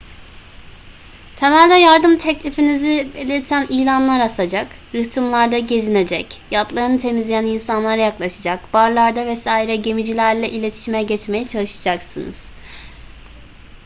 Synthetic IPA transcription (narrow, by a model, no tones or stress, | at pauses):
t̪ʰe̞mælʲd̪ʲɛjaɾd̪ɯmt̪ʰɛclʲifinizibe̞lʲiɾt̪ʰænijlʲanlˠaɾasad͡ʒak | ɾɯt̪ʰɯmlˠaɾd̪aɟe̞zine̞d͡ʒɛcjat̪lˠaɾɯnɯt̪ʰe̞mizlʲejæninsanlˠaɾajaklˠaʃad͡ʒakbaɾlˠaɾd̪avɛsaːiɾɛɟe̞mid͡ʒilʲæɾlʲɛʔilʲe̞t̪ʰi̥ʃimɛɟɛt͡ʃme̞jɛt͡ʃʰalˠɯʃḁd͡ʒaksɯnɯ̰z̥